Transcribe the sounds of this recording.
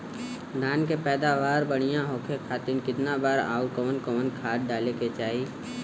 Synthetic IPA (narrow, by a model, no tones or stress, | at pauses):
d̪ʱaːnkepɛːd̪aːʋaːɾbəɽ̃ijãɦoːkʰekʰaːt̪ɪnkɪt̪nabaːɾa̰ːukoːnkoːnkʰaːʈ̚ɖaːleket͡ʃaːiː